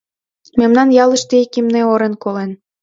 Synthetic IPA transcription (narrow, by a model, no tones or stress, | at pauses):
memnɑnjɑlə̆ʃt̪ekimneoɾenkolen